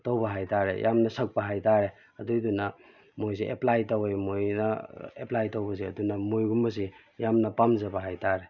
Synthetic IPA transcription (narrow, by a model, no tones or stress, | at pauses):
towbɐɦajtaɾḛjʔamnɐsɐk̚pɐɦajtaɾe | ɐdujdunɐ | mojs̬iʔeplajtɐwemojnɐeplajtowbɐs̬iɐ̰dunɐmojɡumbɐs̬i | jamnɐpamzɐbɐɦajtaɾe